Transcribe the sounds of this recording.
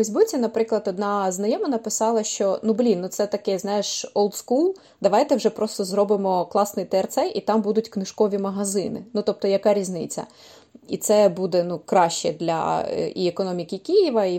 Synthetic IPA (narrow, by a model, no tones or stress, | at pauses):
fejzʲbʊt͡sʲinɐpɾɪklˠɐd̪ɔd̪nɑznɐjɔmɐnɐpɪsɑlˠɐʃt͡ʃɔnublʲinnut̪sɛt̪ɐkɛznɑjɪʃɔlˠt̪skulˠ | d̪ɐʋɑjt̪ɛwʒɛpɾɔst̪ɔzrɔbɪmɔklˠɑsnɪjt̪ɛɛrt̪sɛjʔit̪ɑmbud̪ʊtʲknɪʃkɔʋʲimɐɦɐzɪnɪ̰nut̪ɔp̚t̪ɔjɐkɑɾʲizʲnɪt͡sʲɐ̰ | ḭt̪sɛbud̪ɛnukɾɑʃt͡ʃɛd̪lʲɐ̰iɛkɔnɔmʲikʲikʲijiʋɐi